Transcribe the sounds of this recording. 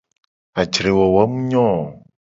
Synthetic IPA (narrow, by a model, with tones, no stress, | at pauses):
a˨d͡ʒɾe˨wo˨wa˦mũ˦ɲɔ̃˦˨